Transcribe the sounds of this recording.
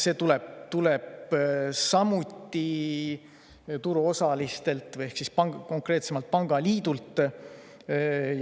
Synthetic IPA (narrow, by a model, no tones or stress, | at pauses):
se̞ːt̪ulebt̪ule̞b̥ | sɑmut̪ʲˑːi | t̪uɾuo̞sɑlist̪e̞lt̪ˑvɯje̞hksispɑŋɡko̞ŋkre̞ːt̪se̞mɑlt̪̚pɑŋɡ̥ɑliːd̪ult̪ːˑ